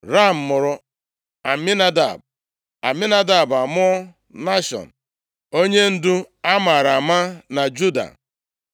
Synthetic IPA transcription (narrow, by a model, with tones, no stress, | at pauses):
ɾa˦˨m̩˨mʊ˨ɾʊ˦ | a˨mi˦na˦da̰˨b̚ | a̰˨mi˦na˦da˨ba˨mʊ˦ | na˦ʃɔ̰˨n̩˨ | o˦ɲe˦n̩˦dʊ˦ | a˦ma˨ɾa˨ma˦na˨d͡ʒu˦da̰˨